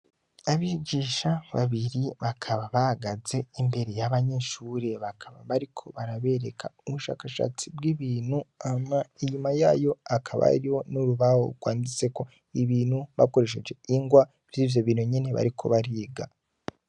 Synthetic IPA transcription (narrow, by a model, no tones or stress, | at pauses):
aβiːɟiːʃaβaβiɾiβakʰaβaβaaɡaze̞imbe̞ɾe̞jaβaɲe̞ʃuːɾe̞βakʰaβaβaɾikʰo̞βaɾaβe̞ɾekʰauβuʃa̰ːkaʃa̰t͡sibɡiβiːnhuamaiɲumajaːjo̞akʰaβa̰ɾiho̞nuɾuβaho̰ɡ̥waːndit͡se̞ko̞ | iβiːnhuβa̰ko̞ɾe̞ʃ̬e̞d͡ʒe̞iŋɡwa | vjiːvjo̞βiːnhuɲene̞βa̰ɾikʰo̞̰βaɾiːɡa